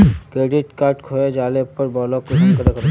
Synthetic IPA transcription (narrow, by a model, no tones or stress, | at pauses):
kɾeːɖɪʈkaːɾʈkʰoːed͡ʒaːlepɐɾbɔːlɔːkːosəmkəɾekʰə